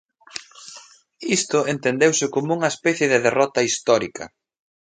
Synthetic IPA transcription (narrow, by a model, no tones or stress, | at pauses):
ist̪ʊent̪end̪ewsɪkomʊuŋɐespɛθjeðɪðerɔt̪ɐist̪ɔɾikɐ̰